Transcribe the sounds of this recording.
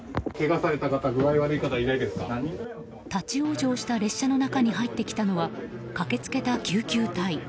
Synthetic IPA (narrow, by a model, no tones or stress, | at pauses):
ke̞ɡasaɾe̞t̪akat̪aɡɯβaiβaɾɯikat̪aiɾaid̪e̞sɨ̥ka | t̪at͡ɕio̞ːʑo̞ːɕi̥t̪aɾe̞ɕːano̞nakaɲ̟iɦait̪ːe̞kʲi̥t̪ano̞βakake̞t͡sɨ̥ke̞t̪akʲɨːkʲɨːt̪ai